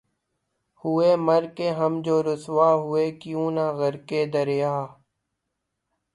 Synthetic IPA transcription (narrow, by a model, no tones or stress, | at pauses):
hʊeːməɾkeːɦəmd͡ʒoːɾʊsʋaːɦʊeːkɪjũːnãːɣəɾkeːd̪əɾejaː